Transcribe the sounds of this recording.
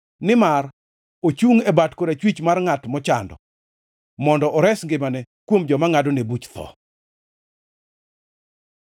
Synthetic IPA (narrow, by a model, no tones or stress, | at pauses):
nɪmar | ot͡ʃuŋebatkoɾet͡ʃwit͡ʃmarŋatmɔt͡ʃandɔ̰ | mɔndɔʔɔɾɛsŋɡɪmanɛ | kwomd͡ʒɔmaŋadonebut͡ʃt̪ɔ̰